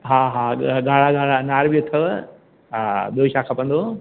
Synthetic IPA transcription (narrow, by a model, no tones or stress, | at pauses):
ɦaːɦaːɡaːɽ̤aɡaːɽanaːɾbiʊt̪ʰɐʋ | aɓijot͡ʃʰakʰɐpɐ̃nd̪o